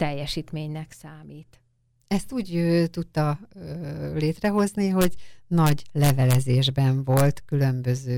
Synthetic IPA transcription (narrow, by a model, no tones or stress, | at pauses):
t̪ɛjːɛʃiːt̪meːɲnɛksaːmiːt̪ | ɛst̪uːɟøːt̪ut̪ːɒ | leːt̪rɛɦo̞zniɦo̞ɟnɒɟlɛvɛlɛzeːʒbɛɱvo̞lt̪kylø̞mbø̞zøː